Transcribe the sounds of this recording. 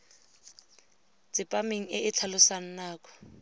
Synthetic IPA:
t͡sɪpʼameŋ̩ɪʔɪt͡ɬʰalʊsan̩naːkʼɔ̥

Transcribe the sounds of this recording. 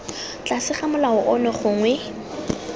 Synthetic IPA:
t͡ɬʼasɪχamʊlaʊʔʊnɛχʊŋwɛ

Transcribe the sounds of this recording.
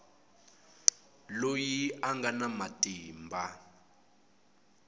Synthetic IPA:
lojiʔaŋɡanamatʼiːmbʱa

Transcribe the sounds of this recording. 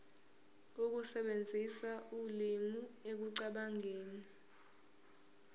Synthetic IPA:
uk̬usɛɓend͡zʱisaulimuek̬uǀaɓaŋeːni

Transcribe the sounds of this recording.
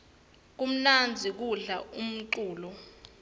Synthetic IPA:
k̬um̩nand͡zʱik̬uɮaum̩ǀuːlɔ

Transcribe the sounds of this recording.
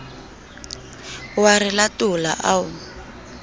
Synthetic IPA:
waɾɪlatʊla̰ʔaʊ

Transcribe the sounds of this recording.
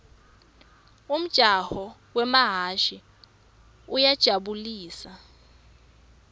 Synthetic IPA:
um̩d̥ʒ̥ʱahɔwɛmaɦaʃi | ujad̥ʒ̥ʱaɓuliːsa

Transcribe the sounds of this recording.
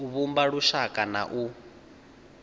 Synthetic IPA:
uβumbaɺuʃakʼana̰ʔu

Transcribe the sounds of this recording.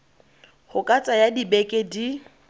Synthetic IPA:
hʊkʼat͡sʼajadibekʼedi

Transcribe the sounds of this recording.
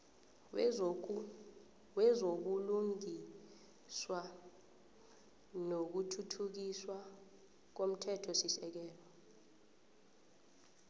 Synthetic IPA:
wɛzok̬uluŋi | swa | nok̬utʰutʰuk̬iswa | k̬om̩tʰɛtʰɔsisɛk̬ɛːlɔ

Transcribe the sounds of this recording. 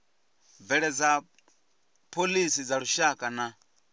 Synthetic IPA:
vɛɺɛd͡za | pʰolisid͡zaɺuʃakʼana

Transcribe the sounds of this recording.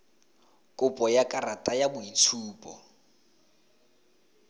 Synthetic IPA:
kʼʊpʼɔjakʼaratʼajabʊit͡sʰuːpʼɔ

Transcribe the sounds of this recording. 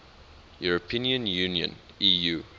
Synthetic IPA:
juɹəpʰĩniə̃njũniə̰̃n | iju

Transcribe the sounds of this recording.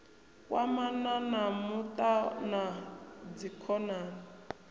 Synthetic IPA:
kʼwamananamutʼanad͡zikʰɔnaːna

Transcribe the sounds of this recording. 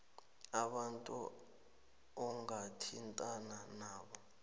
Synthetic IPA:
aɓantʼṵ | ɔŋɡatʰintʼananaːɓɔ

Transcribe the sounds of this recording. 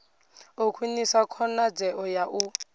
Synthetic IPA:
ukʰwinisakʰɔnad͡zɛʔɔjaʔu

